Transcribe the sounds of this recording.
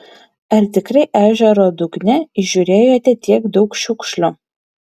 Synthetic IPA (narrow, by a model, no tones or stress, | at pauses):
ɐɾt̪ʲɪkɾɐɪʔæːʒʲɛɾoːd̪uɡnʲɛiʒʲuːɾʲeːjoːt̪ʲɛt̪ʲiɛkd̪ɒʊkʃʲuːkʃʲlʲʊ